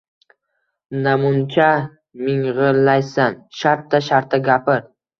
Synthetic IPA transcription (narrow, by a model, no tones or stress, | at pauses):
namʊnt͡ʃʰa | mɪŋʁɨɾlajsanʃaɾt̪ːaʃaɾt̪ʰːaɡʲapɪɾ